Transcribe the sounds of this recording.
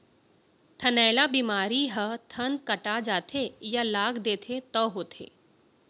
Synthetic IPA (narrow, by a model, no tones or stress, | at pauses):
t̪ʰɐnɛːlabiːmaːɾiɦət̪ʰɐnkɐʈad͡ʒaːt̪ʰejalaːɡd̪eːt̪ʰet̪ɔɦoːt̪ʰḛː